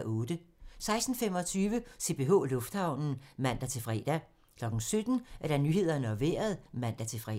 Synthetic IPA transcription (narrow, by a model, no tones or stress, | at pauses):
ʔɔ̽ːd̥əsɑ̈ɪsd̥n̩fem̰ɒ̽t͡sʰyːʋəse̝̰b̥e̝ːɦɔ̰̽ːlɔ̽fd̥hɑ̈ʊ̰nn̩mæn̰d̥æt͡sʰe̝lfʁɛ̰ːd̥æ | kʰlɒ̽ɡ̥n̩sød̥n̩æɐd̥ænyːhe̝ð̞̰ˠɐnəɒ̽ʋḛːɐð̞̩ˠmæn̰d̥æt͡sʰe̝fʁɛ̰